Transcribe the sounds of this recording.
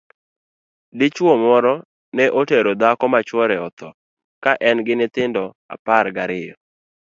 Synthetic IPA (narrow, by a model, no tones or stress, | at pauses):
dɪt͡ʃwomɔɾɔ | nɛʔoteɾod̪akɔmat͡ʃwɔɾɛɔt̪ɔ | kaʔɛnɡɪnɪt̪ɪndɔ | a̰parɡaɾɪjɔ